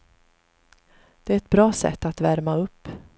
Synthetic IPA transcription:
d̪̥ɛæɾɛt̪̚bɾɑːsɛ̰t̪ːat̪væɾmaɵpː

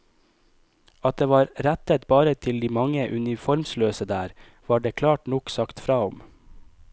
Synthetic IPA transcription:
ɑt̪̚d̪eːʋɑːɾɾæt̪ət̪bɑːɾət̪ʰɪld̪iːmɑŋəʔʉnɪfɔɾmsløːsəd̪æːɾ | ʋɑːɖeːkʰlɑːʈnɔksɑkt̪fɾɑːɔm

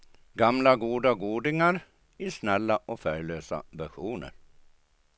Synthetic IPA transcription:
ɡamlaɡuːd̪aɡuːd̪ɪŋaɾ | isnɛlːaʔɔːfœʏløːsa̰ʋæɧuːnə̰ɾ

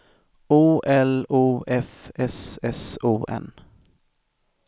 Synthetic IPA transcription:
uːʔɛluːʔɛfɛsɛsuːʔɛ̰n

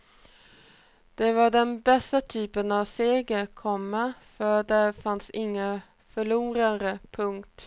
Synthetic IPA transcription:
d̪̥ɛvaɖɛnbɛst̪at̪ʰyːpənavseːɡəɾkʰɔmːɛfœɖɛɾfansɪŋːə | fœɭuːɾand̪əpʰɵŋkt̪

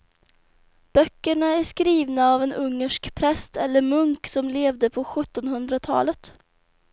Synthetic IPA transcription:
b̥œkːəɳaæʂkɾiːvnaːvɛnʔɵŋːəʂkpʰɾɛst̪ɛlːəɾmɵŋksɔmleːvd̪əpʰɔɧɵt̪ːɔnhɵnd̪ɾat̪ʰɑ̰ːlət̪

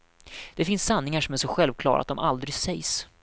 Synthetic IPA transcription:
d̪̥ɛfɪnsːanːɪŋaʂɔmæʂɔɧɛlvkʰlɑ̰ːɾa̰t̪̚d̪ɔmʔa̰ld̪ɾɪsɛjs

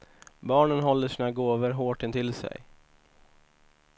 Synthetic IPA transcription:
bɑːɳənɦɔlːəʂiːnaɡoːvəɾɦoːʈɪnt̪ʰɪlsɛ̰j

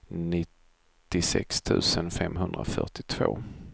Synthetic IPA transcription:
nɪt̪ː | ɪsɛkst̪ʰʉ̟ːsənfɛmːɦɵnd̪ɾa̰fœ̰ʈɪt̪ʰvo̰ː

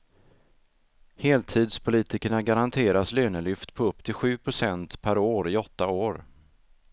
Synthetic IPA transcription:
heːlt̪ʰiːd̪spʰʊliːt̪ɪkəɳaɡaɾant̪ʰeːɾaslyːnəlʏft̪pʰɔɵpːt̪ʰɪlɧʉ̟ːpʰɾʊsɛnt̪pʰæɾoːɾɪɔt̪ːaoːɾ

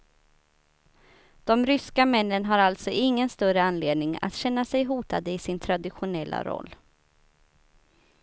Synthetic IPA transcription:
d̪̥ɔmɾʏskamɛnːənɦaɾalt̪sɔʔɪŋːənst̪œɾəanːleːd̪̚nɪŋa̰t̪ɕɛnːasɛjɦuːt̪ad̪əɪsɪnt̪ʰɾad̪ɪɧʊnɛlːa̰ɾɔ̰lː

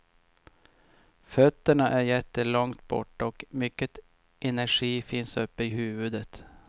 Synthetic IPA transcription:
fœt̪ːəɳaʔæɾjɛt̪ːəlɔŋt̪bɔ̰ʈːɔkmʏkːət̪ | ʔɛnæʂiːfɪnsɵpːəɪhʉːvʉd̪ət̪

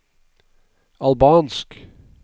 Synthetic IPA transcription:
ɑlbɑːnsk

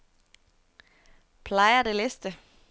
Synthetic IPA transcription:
pʰlɑɪɐd̥elesd̥ə

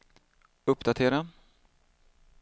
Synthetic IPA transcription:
ɵpːd̪at̪ʰeːɾa

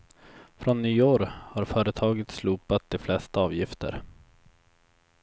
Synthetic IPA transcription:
fɾɔnːyːoːɾhaɾfœːɾət̪ʰɑːɡət̪sluːpat̪̚d̪ɛflɛst̪aɑːvjɪft̪ʰə̰ɾ

